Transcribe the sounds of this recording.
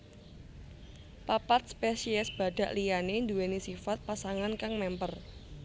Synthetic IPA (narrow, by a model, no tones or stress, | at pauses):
papat̪̚spesiɛsb̥a̤ɖ̥ä̤ʔlijanend̪uenisifat̪̚pasaŋankaŋmɛmpər